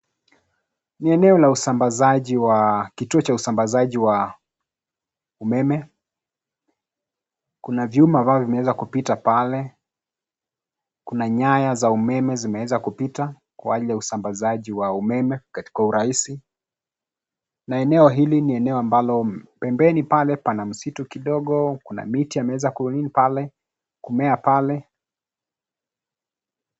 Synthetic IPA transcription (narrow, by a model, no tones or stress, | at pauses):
niɛnɛɔlausambazaʄiwakituɔt͡ʃausambazaʄiwa | umɛmɛ | kunavjumambavɔvimɛwɛzakupitapalɛ | kunaɲajazaumɛmɛzimɛwɛzakupita | kwaʄiljausambazaʄiwaumɛmɛkati̥kauɾaisi | naɛnɛɔɦiliniɛnɛɔambalɔpɛmbɛnipalɛpanam̩situkiɗɔɠɔkuna̰mitiamɛɛzakuninipalɛ | kumɛapalɛ